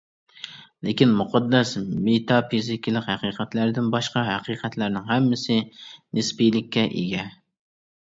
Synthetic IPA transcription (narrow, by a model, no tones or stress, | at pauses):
lɪkʲinmuqʰɑd̪ːɛsmet̪ʰɑpizɪkʲlˠɪkʲhæqiqʰæt̪læɾd̪ɪnbɑʃqɑɦæqiqʰæt̪ʰlæɾnɪŋɦɛmːɪsɪnɨspijlɪkʲːɛʔḛɡʲɛ